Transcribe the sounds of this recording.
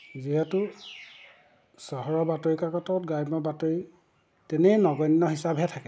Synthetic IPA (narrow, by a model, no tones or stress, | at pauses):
ziɦɛtʊ | sɔɦɔɹɔbatoɹikakɔtɔʊt̚ɡajmɔbatoɹi | tɛnɛnɔɡɔnːɔɦisabʱɦɛtʰakɛ